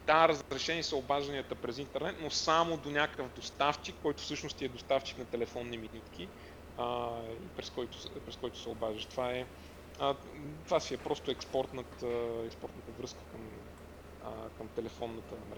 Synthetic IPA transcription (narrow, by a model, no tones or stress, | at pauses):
t̪aɾəzɾɛʃɛnisəʊbaʒɐniət̪əpɾɛzint̪ɛɾnɛt̪nosamod̪onʲakəvd̪ost̪aft͡ʃikːɔjt̪ʊfsɤʃnʊst̪iɛd̪ost̪aft͡ʃi̥knɐt̪ɛlɛfɔnːiminit̪k̟ʰi | əḭpɾɛskɔjt̪ʊ̥pɾɛskɔjt̪ʊ̥sɛobaʒəʃt̪ovaɛ | ə | t̪vasiɛpɾɔst̪ʊɛkspɔɾt̪nət̪ɛkspɔɾt̪nət̪əvɾɤskə̥kəm | əkəmt̪ɛlɛfɔnːət̪əmɛ